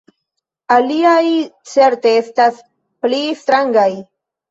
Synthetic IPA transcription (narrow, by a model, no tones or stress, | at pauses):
aliajt͡se̞ɾteestas | plistɾaŋɡaj